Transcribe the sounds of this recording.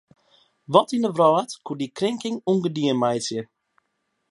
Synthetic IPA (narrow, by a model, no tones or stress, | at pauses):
ʋɔtindəʋrɔːətkudikrɪŋkɪŋuŋɡədiənmajsjə